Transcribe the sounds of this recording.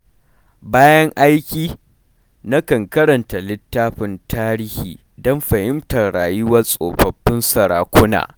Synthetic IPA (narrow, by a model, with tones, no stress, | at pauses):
baː˦jɐ˦ŋʔa˦jkʲiː˦ | na˦kɐ˨ŋkɐ˦ɾɐ˨nta˨lɪ˦tːaː˦ɸɪ˨ntaː˦ɾiː˦hḭː˨ | dɔ˦mɸɐ˨hɪ˦mtɐ˨rɽaː˨jʊ˦wɐ˦sʼo̰ː˨ɸɐ˨bːɪ˦nsɐ˨ɾaː˨kʷʊ˦na̰ː˨